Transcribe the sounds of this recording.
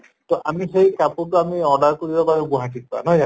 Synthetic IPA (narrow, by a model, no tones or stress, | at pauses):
tɔʔamiɦejkapʊtʊamiɔɹdaɹkoɹibababɛbuɦatik̚pa̰nɔja